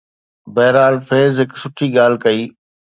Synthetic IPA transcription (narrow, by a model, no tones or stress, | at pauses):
bɐːɾaːlfeːzɦɪksʊʈʰiːɠaːl̤kɐiː